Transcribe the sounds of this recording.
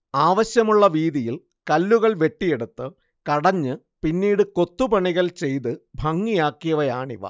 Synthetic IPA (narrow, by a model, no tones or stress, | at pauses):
aːʋɐɕjɐmuɭːɐʋiːðijil | kɐlːuɣɐɭʋe̞ʈːije̞ɽut̪ːɨ | kɐɽɐɲːɨ | pinːiːɽɨko̞t̪ːubɐɳiɣɐlt͡ɕe̞jt̪ɨbʱɐŋːijaːkːijɐʋɐjaːɳḭʋɐ̰